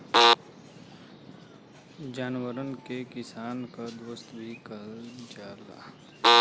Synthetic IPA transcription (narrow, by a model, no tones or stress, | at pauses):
d͡ʒaːnwəɾənkekɪsaːnkad̪wəst̪bʱikɐɾd͡ʒaːla̰ː